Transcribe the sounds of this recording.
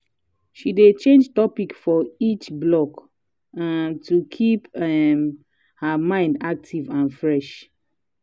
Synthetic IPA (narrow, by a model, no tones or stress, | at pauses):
ʃidet͡ʃẽnd͡ʒtɔpikfɔit͡ʃblɔk | ãntʰukʰipɛm | həmãɪ̃ndak̚tʰivãnfɹɛʃ